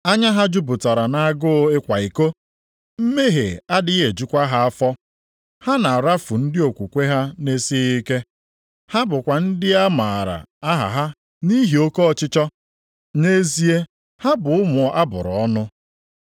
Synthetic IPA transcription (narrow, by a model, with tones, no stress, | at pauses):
a˦ɲa˦ɦa˦d͡ʒu˦bʊ˨ta˨ɾa˨na˨a˨ɡʊ˦ɪ˦kʷa˨i˨ko˦ | m̩˦me˦ɦḛ˨a˦dɪ˦ɣe˨d͡ʒu˦kʷa˦ɦa˦a˦fɔ˦ | ha˦na˨a˨ɾa˦fʊ˨n̩˦dɪ˦o˨kʷu˨kʷe˦ɦa˦ne˦si˦i˦ke˦ | ha˦bʊ˨kʷa˨n̩˦dɪ˦a˦ma˨ɾa̰˨a˦ɦa̰˨ɦa˦ | ni˦ɦi˨o˦ko˦ɔ˨t͡ʃɪ˦t͡ʃɔ˦ | ne˦zi˦e˦ | ha˦bʊ˨ʊ˦mʊ˨ʔa˦bʊ̰˨ɾʊ˨ɔ˦nʊ˦